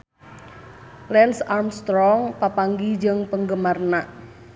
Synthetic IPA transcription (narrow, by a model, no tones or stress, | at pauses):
lɛnsarmst̪ɾɔŋpapaŋɡid͡ʒəŋpəŋɡəmarnaʔ